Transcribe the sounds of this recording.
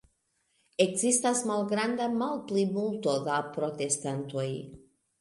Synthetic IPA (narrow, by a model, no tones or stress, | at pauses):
ekzist̪asmalɡɾand̪amalplimult̪o̞d̪apɾo̞t̪est̪ant̪o̞j